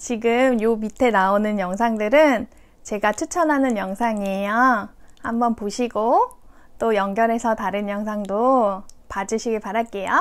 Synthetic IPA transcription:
t͡ɕiɡɯmjomitʰe̞naonɯnjʌŋsʰaŋdɯɾɯn | t͡ɕe̞ɡat͡ɕʰut͡ɕʰʌnɦanɯnjʌŋsʰaŋejahambʌnpoɕʰiɡo | t͈ojʌŋɡjʌɾe̞sʰʌtaɾɯnjʌŋsʰaŋdopad͡ʑɯɕʰiɡeɭpaɾaɭ̚k͈e̞ja

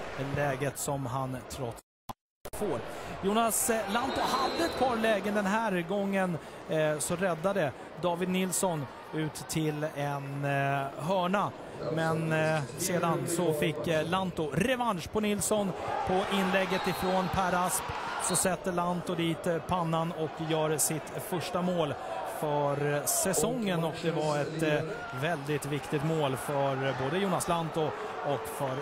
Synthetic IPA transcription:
lɛːɡət̪sɔmɦant̪ʰɾɔt̪s | al | foːɾjuːnaslant̪ʊhad̪ːəɛt̪̚pʰɑːɾlɛːɡənd̪ɛnɦæːɾɡɔŋːənsɔɾɛd̪ːad̪ə | d̪ɑːvɪd̪nɪlsɔn | ʉ̟ːt̪ʰːɪlɛn | ɦœːɳa | mɛnseːd̪ansɔfɪkːlant̪ʊɾɛvanʂpʰʊnɪlsɔnpʰɔʔɪnːlɛɡːət̪ɪfɾonpʰæɾaspsɔsɛt̪ːəɭant̪ʊd̪iːt̪pʰanːanɔkjœːɾsɪt̪fœʂʈamoːlfœɾsɛsɔŋːənɔkd̪ɛvaɾɛt̪ | vɛld̪ɪt̪vɪkt̪ɪt̪moːlfœɾboːd̪əjuːnaslant̪ʊ | ɔkfœɾ

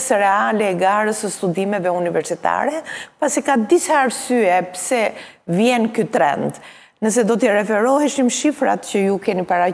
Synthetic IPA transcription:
sɾɛalɛːɡaɾəsəst̪ud̪imɛvɛunivɛɾsit̪a̰ɾɛpasikad̪isaːɾsyɛpsɛ | vjɛnkyt̪ɾɛ̰nd̪ | nəs̬ɛd̪ɔt̪̬ɛrɛfɛɾɔɦɛʃimʃifɾa̰t̪cəjukɛnipaɾa

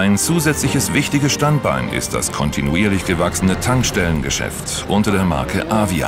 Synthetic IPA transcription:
aɪnt͡suːzɛt͡slɪçəsv̥ɪçtɪɡəsʃtant̚b̥a̰ɪnɪ̰std̥a̰skʰɔntʰinuiːɐlɪçɡ̥əvaksn̩ətʰaŋkʃtɛlənɡəʃɛ̰ft | ʔʊntɐɾeːɐma̰ɐkʰəʔaːvia̰ː

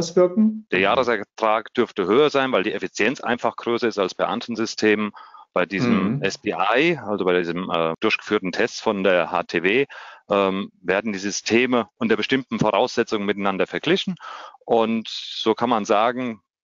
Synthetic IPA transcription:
ʊsv̥ɪɐkŋ̩d̥eːɐjaːʁəsɛɐtʁ̥aːkd̥ʏɐftəɦøːɐzaɪnvaɪldiːʔefit͡sjɛnt͡sʔa̰ɪnfaχɡ̥ʁøːsɐɪstalsb̥aɪʔa̰ntʰn̩zʏstʰeːmb̥aɪdiːzəmɛsb̥iːʔaɪalzobaɪdiːzəmʔɛːd̥ʊɐçɡ̥ə̥fyːɐtn̩tʰɛst͡sfɔndeːɐha̰ːtʰeːveːʔɛːmveːɐdn̩diːzʏstʰeːməʔʊntəɐbəʃtɪmtn̩foʁaʊsz̥ɛt͡sʊŋənmɪtaɪnandɐfɛɐɡ̥lɪçn̩ʔʊntz̥oːkʰanmanzaːɡŋ̩

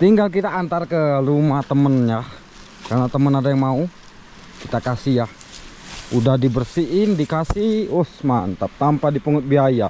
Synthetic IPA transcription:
t̪iŋɡalk̬it̪aːnt̪arkəlumaht̪əmənjah | karnat̪əmənadajaŋmau | kit̪akasihjah | udahdibərsiʔɪndikasihosmaə̰nt̪ap̚t̪ampadipuŋʊt̪̚biaja

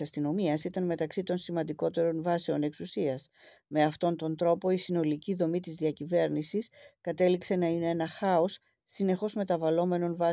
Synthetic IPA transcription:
ɐst̪ino̞miɐsit̪ɐnme̞t̪ɐksit̪o̞nsimɐnd̪iko̞t̪e̞ɾo̞nvɐseo̞ne̞ksusiɐs | me̞ɐft̪o̞nt̪o̞nt̪ɾo̞po̞isino̞liciðo̞mit̪izðiɐcive̞ɾnisiskɐt̪e̞likse̞nɐine̞enɐxɐo̞sː | ine̞xo̞zme̞t̪ɐvɐlo̞me̞no̞nvɐ

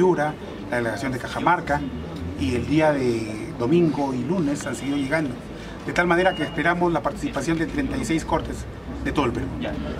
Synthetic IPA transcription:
uɾa | laðeleɣasjond̪ekaxamaɾka | ie̞ld̪iaðe | ðo̞mĩŋɡo̞ilune̞sanseɣiðo̞ʝe̞ɣand̪o̞ | d̪e̞t̪almaneɾakeːspe̞ɾamo̞zlapaɾt̪i̥sipasjo̞nd̪et̪ɾe̞nt̪ajse̞jsko̞ɾt̪e̞z | ðet̪o̞ðlpeɾu

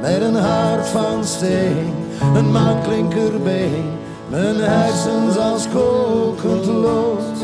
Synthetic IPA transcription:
mɛtənɦartfɑnsteɪŋ | ənmaːnklɪŋkərbeɪŋ | mɛtənhɛjsənzɑlˠskokʰəntəlos

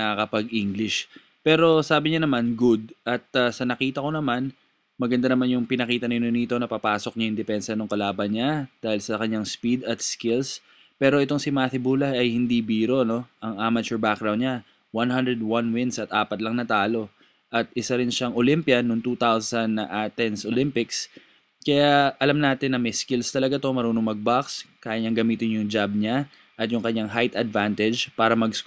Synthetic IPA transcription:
ɐkɐpɐɡʔiŋɡlɪʃ | pɛːɾo̞saːbɪɲɐnɐmanɡʊd̪̚ɐt̪̚ɐsɐnɐkiːt̪ɐko̞nɐman | mɐɡɐnd̪anɐmanjʊŋpɪnɐkiːt̪ɐnɪnʊnit̪o̞nɐpapaːsok̚ɲɐjʊŋd̪ɛpɛnsɐnʊŋkɐlaːbɐnɲad̪̥aːhɪlsɐkɐɲaŋspid̪ɐt̪skɪls | pɛːɾo̞ʔɪt̪oŋsɪmaːθɪbuːlɐɐjhɪnd̪ibiːɾo̞no̞ʔɐŋaːmɐt͡ʃuɹbak̚ɡɾawnd̪ɲa | wanɦand̪ɾɛd̪̚wanwɪnsɐt̪ʔaːpɐt̪lɐŋnɐt̪aːlo̞ | ʔɐt̪̚ɪsaɾɪnʃaŋolɪmpjɐnʊŋt̪ut̪awsɐnːɐʔaːt̪ɛnsʔolɪmpɪks | kɐjaʔɐlamnaːt̪ɪnːɐmɛjskɪlst̪ɐlɐɡat̪omɐɾuːnoŋmɐɡ̚bakskaːjɐɲaŋɡɐmiːt̪ɪnjʊŋd͡ʒab̚ɲa | ʔɐt̪̚jʊŋkɐɲaŋɦajt̪ɐd̪vant̪ɛd͡ʒpaːɾɐmɐɡs

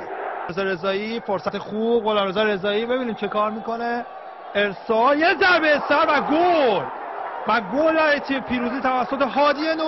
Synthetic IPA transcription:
ezɒɾe̞zɒːjifoɾsæt̪ʰexub̥ɣolɒːmɾezɒːɾe̞zɒːiːbe̞biːniːmt͡ʃʰe̞kɒːɾmiːko̞ne | eɾsɒːljezæɾbeesæɾvæɡolvæɡolɒːjet̪ʰiepʰiːɾuːziːt̪ʰævæsːot̪ʰe̞ɦɒːd̪ieno

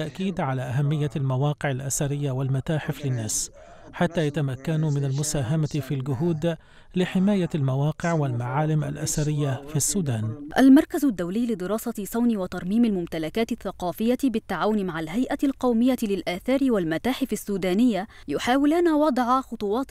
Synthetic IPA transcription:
aʔkiːd̪ʕalaːʔaɦamːɪjːaalmawɑːqɪʕalʔasaɾɪjːawalmat̪aːħɪflɪnːaːs | ħat̪ːaːjat̪amakːanmɪnalmʊsaːɦamafiːlɡʊɦuːd̪ | lɪħɪmaːjalmawɑːqɪʕwalmaʕaːlɪmʔa̰lʔa̰saɾɪjːafiːasːuːd̪aːnʔalmɑɾˤkazʊd̪ːawlɪːlɪd̪ɪɾɑːsɑsˤɑwniwɑt̪ɑɾˤmiːmalmʊmt̪alakaːt̪ɪθːɑqɑːfɪjːabɪt̪ːaʕaːwʊnmaʕalɦajʔalqɑwmɪjːalɪlʔaːθaːɾɪwalmat̪aːħɪfasːuːd̪aːnɪjːa | jʊħaːwɪlanawɑd̪ˤʕaxʊt̪ˤʊwɑːt̪

